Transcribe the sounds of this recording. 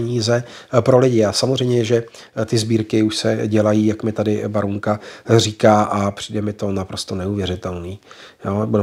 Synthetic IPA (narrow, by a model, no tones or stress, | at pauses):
ɲiːzɛpɾo̞lɪɟɪasamozrɛjmɲɛjɛʒɛ | t̪ɪzbiːɾkɪuʃsɛɟɛlajiːjakmɪt̪adɪbaɾuŋkariːkaːʔapr̥iːdɛmɪt̪o̞napɾo̞st̪onɛuvjɛɾɪt̪ɛlniːjoːbudɛ